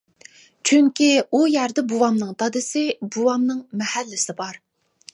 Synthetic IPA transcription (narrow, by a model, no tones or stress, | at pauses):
t͡ʃʰyŋkʲiujæɾd̪ɪbuwɑmnɨŋt̪ɑd̪ɪsɪbuwɑmnɨŋmɛhælːɪsɪbɑɾ